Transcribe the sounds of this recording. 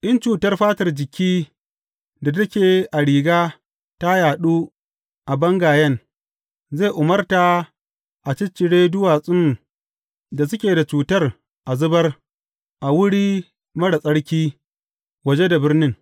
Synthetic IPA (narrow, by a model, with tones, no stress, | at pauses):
ʔɪ˦nt͡ʃuː˨tɐ˦rɸaː˦tɐ˨rd͡ʒɪ˨kʲiː˦ | da˨dɐ˦kʲeː˨ʔa˨ɽiː˨ɡaː˦ | ta˦jaː˨ɗuː˦ | ʔa˨bɐ˦ŋɡaː˨jɐ˦n | ze˦˨ʔʊ˨mɐ˦rta˨ | ʔa˨t͡ʃɪ˦t͡ʃːɪ˨ɽeː˦dʊ˦waː˨sʼɪ˦m | da˨s̬ʊ˦kʲeː˨da˨t͡ʃuː˨tɐ˦r | ʔa˨zʊ˦bɐ˦r | ʔa˨wʊ˦ɽiː˦ | mɐ˦ɽa˨sʼɐ˦ɽkʲiː˦ | wɐ˨d͡ʒe˦da˨bɪ˦rnɪ˦ŋ